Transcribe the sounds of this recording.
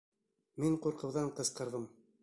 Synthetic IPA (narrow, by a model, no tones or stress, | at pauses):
miɴquɾqɤ̆wðɑɴqɤ̆sqɤ̆ɾðɤm